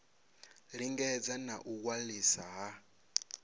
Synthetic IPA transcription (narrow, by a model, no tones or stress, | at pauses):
ɾiŋɡɛd͡zanaʔukwalisaɦa